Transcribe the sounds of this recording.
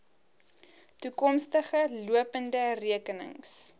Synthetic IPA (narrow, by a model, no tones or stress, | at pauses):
tukɔmstəχəluəpəndəriəkənə̰ŋs